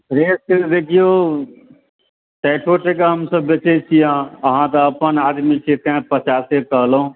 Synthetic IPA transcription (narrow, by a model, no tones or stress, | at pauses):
pɾeːsked̪ekʰijo | ʈɛːʈʰoʈekeɦəmsəbːet͡ʃet͡ʃʰijãəɦãt̪əəpənad̪mit͡ʃʰek̪ɛ̃pət͡ʃaːsekəɦlɦũ